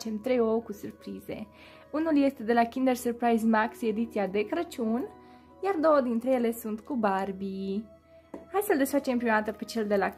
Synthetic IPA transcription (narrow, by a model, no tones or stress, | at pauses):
t͡ʃe̞mt̪ɾe̞jokusurpɾize̞̰ | unulje̞st̪e̞d̪e̞lakʲind̪ersurpɾajzmakse̞d̪it̪siad̪e̞kɾət͡ʃunʲ | jard̪o̞wəd̪int̪ɾe̞je̞le̞sunt̪kubarbi | hajseld̪e̞sfat͡ʃempɾioat̪əpet͡ʃe̞ld̪e̞la